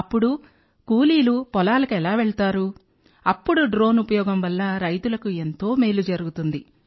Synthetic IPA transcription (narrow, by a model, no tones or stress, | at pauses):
ɐpːuɽu | kuːliːlupɔlaːlɐkɛlaːʋeɭt̪aːɾu | ɐpːuɽuɖɾo̞ːnupɐjɔːɡɐmʋɐlːɐɾɐjt̪ulɐkue̞nt̪o̞ːmeːlud͡ʒɐɾuɡut̪und̪i